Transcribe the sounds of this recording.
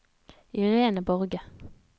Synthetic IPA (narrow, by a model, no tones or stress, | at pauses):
iʁeːnəbɔʁɡə